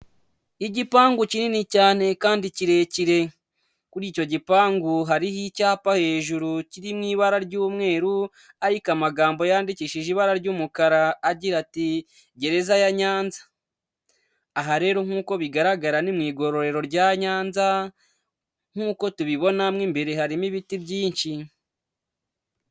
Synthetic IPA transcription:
iɟipaːŋɡucininicaːne̞kaːndiciɾe̞ciɾe̞ | kuɾiːco̞ɟipaːŋɡuɦaɾihicaːpahe̞ːʒuɾuciɾimŋiːβaɾaɾɟuːmŋe̞ːɾu | aɾikamaɡaːmbo̞jaːndiciʃiʒiβaɾaɾɟuːmukaɾaːɟiɾati | ɟe̞ɾe̞zajaɲaːnzḁ | ɦaɾe̞ːɾo̞ŋ̥uːko̞βiɡaɾaɡaɾanimŋiːɡo̞ɾo̞ɾe̞ɾo̞ɾɟaːɲaːnza | ŋ̥uːko̞tuβiβo̞namŋimbe̞ɾehaɾimiβitibɟiːnʃi

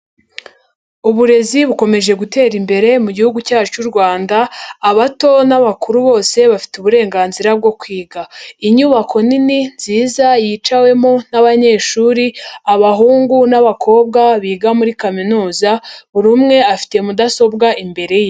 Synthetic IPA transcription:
uβuɾe̞ziβuko̞me̞ʒe̞ɡute̞ːɾimbe̞ɾe̞muɟihuɡucaːt͡ʃuɾɡwaːndaːβato̞naβakuɾuβo̞ːse̞βafi̥tuβuɾe̞ːŋɡaːnziɾab̚ɡo̞kwiːɡaiɲuβakʰo̞nininz̥iːzajit͡ʃawe̞monaβaɲe̞ːʃuːɾiaβaɦuːŋɡunaβakʰo̞ːbɡaβiːɡamuɾikaminuːzaβuɾumŋe̞afi̥te̞mudaso̞b̚ɡaʔimbe̞ɾe̞je

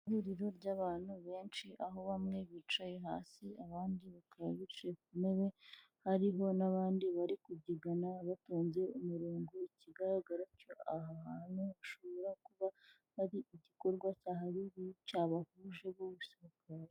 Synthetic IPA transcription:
iɾiɾo̞ɾɟaːβaːn̥huβe̞ːnt͡ʃiʔaɦo̞βamŋe̞βit͡ʃaje̞ɦa̰ːsiaβaːndiβakaβaβit͡ʃekumeɾe̞ | haɾiɦo̞naβaːndiβaɾikuɟiɡanaβatoːɲze̞umuɾuːŋɡoiciɡaɾaɡaɾacoaɦahanuaʃo̞βo̞ɾakuβa | haɾiiɟiko̞ɾɡwacaːɦaɾiβucaβahuʒe̞βoβuseɾukaɾe

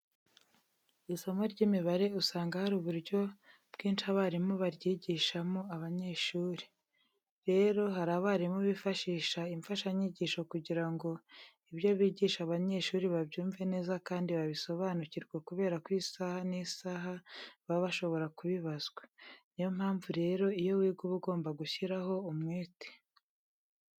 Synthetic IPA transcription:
isomoɾɟimiβaɾe̞usaːŋɡahaɾuβuɾɟo̞ | b̥ɡ̥iːnʃiaβaɾimoβaɾjiːɟiʃamo̞aβaɲe̞ʃuːɾi̥ | ɾe̞ɾo̞ɦaɾaβaɾimoβifaʃiːʃaiɱfaʃaɲiɟiːʃo̞kuɟiɾaŋɡo̞ | iβjoβiːɟiːʃaβaɲe̞ʃuːɾiβaβɟuːɱve̞ne̞ːzakaːndiβaβiso̞βaːnuciɾɡwakuβe̞ːɾakwiːsahanisaːɦaβaβaʃo̞βo̞ɾakuβiβazɡwanijom̥haːɱvuɾe̞ːɾo̞ijo̞wiːɡuβuɡo̞ːmbaɡuçiɾaɦo̞umŋeːte̥

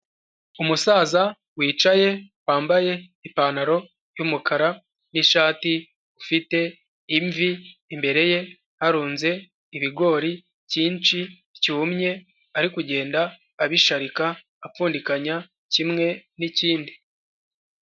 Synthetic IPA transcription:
umusaːza | wiːt͡ʃaje̞waːmbaje̞ | ipaːnaɾo̞ | jumukʰaɾa | niʃaːti | ufite̞ | iɱviːmbe̞ɾe̞je̞ | haɾuːnze̞ː | βiɡo̞ːɾi | ciːnt͡ʃi | ciumɲe̞ | aɾikuɟe̞ːndaː | βiʃaɾikaː | pfuːndikaɲa | cimŋe̞niciːndi

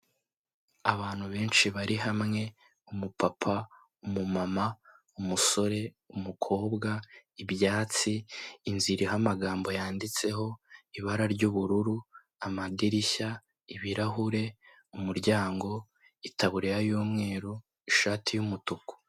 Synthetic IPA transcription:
aβaːn̥huβe̞ːnʃiβaɾiɦamŋe̞ | umupapʰa | umumama | umuso̞ɾe̞ | umukʰo̞ːbɡaibjaːt͡siːnziɾiɦamaɡaːmbo̞jaːndit͡se̞ɦo̞iβaɾaɾɟuβuɾuɾu | amadiɾiça | iβiɾaɦuɾe̞ | umuɾɟaːŋɡo̞ | itaβuɾejajoːmŋe̞ːɾo | iʃaːtʰijumutuku̥

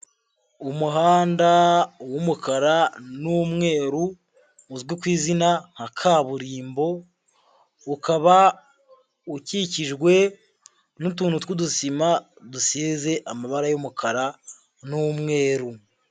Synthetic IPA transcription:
umuɦaːndawomukʰaɾanumŋe̞ːɾu | uzɡikwiːzinaŋ̥hakʰaβuɾiːmbo̞ | ukaβa | uciciʒɡwe̞ | nutuːnhutkudusima | dusiːze̞ʔamaβaɾajumukaɾa | numŋe̞ːɾu

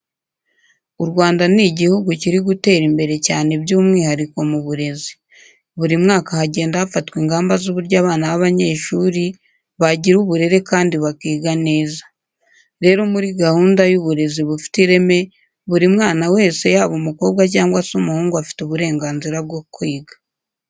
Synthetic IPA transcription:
uɾɡwaːndaniɟihuɡuciɾiɡute̞ːɾimbe̞ɾe̞caːne̞bjuːmŋiːhaɾiko̞muβuɾe̞zi̥ | βuɾimŋaːkahaɟe̞ːndahafatwiːŋɡaːmbazuβuɾɟaːβaːnaβaβaɲe̞ːʃuɾi | βaɟiɾuβuɾe̞ɾe̞kaːndiβakiːɡane̞ːzḁ | ɾe̞ːɾo̞muɾiɡahuːndajuβuɾe̞ziβufi̥tiɾe̞me̞ | βuɾimŋaːnawe̞ːse̞jaːβomuko̞ːbɡac̬aːŋɡwasumuhuːŋɡuafi̥tuβuɾe̞ːŋɡaːnziɾabɡokwiːɡḁ

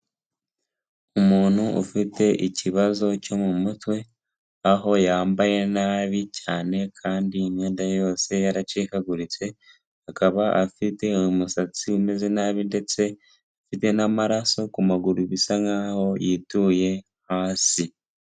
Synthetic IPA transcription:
umuːn̥huṵfite̞ʔiciβazo̞co̞mumutwe̞ | aɦo̞jaːmbaje̞naβicaːne̞kʰaːndiːmŋe̞ːndajo̞ːse̞jaɾat͡ʃiːkaɡuɾit͡se̞ | hakaβaʔafite̞musat͡siume̞ze̞naβinde̞t͡se̞ | afite̞namaɾaso̞kumaɡuɾuβisaŋaːho̞jituːje̞ | haːsi

